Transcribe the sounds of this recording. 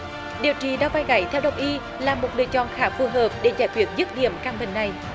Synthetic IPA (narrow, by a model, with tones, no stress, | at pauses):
ɗi˨əwt͡ɕḭ˨ɗaː˧wvaː˧jɣa˧˩˦jt̪ʰɛ˧wɗə˨˩wŋ͡mʔi˧ | laː˨˩mo˨˩t̚ɗɨ̰˨˩ət͡ɕɔ̰˧˨nxaː˨˦fu˨˩ɦəː˨˩p̚ɗe˧˩zaː˧˩jkwi˨˩ət̚zɨ˦˥t̚ɗḭ˧˩˨əmkaː˧ŋɓï˧˨ŋna˨˩j